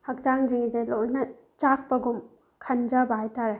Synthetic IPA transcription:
hɐk̚d͡ʒaŋd͡ʒiŋd͡ʒejlojnɐ | t͡ʃak̚ʰpɐɡum | kʰɐnd͡ʒabaajtʰaɾe

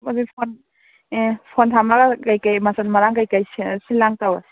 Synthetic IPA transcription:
mɔzipʰɔn | pʰɔntʰamlakakajkajmasanmaɾaŋkajkajssilːaŋtawa̰

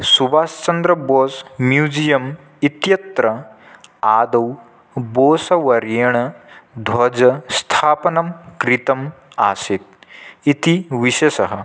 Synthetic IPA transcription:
subaːst͡ʃɐnd̪ɾɐboːsmjuːd͡ʑijɐm | it̪jɐt̪ɾɐ | aːd̪ɐw | boːsɐʋɐɾjɐɳ̃ɐd̪ʱwɐd͡zɐst̪ʰaːpɐnɐmkɾit̪ɐm | a̰ːset̪̚it̪iʋiɕesɐɦɐ

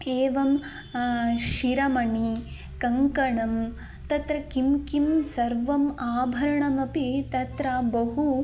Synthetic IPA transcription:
eːʋɐm | ʃiɾɐmɐɳi | kɐŋkɐɳɐm | t̪ɐt̪ɾɐkimkimsɐɾʋɐmaːbʱɐɾɐɳɐmɐpit̪ɐt̪ɾɐbɐɦu

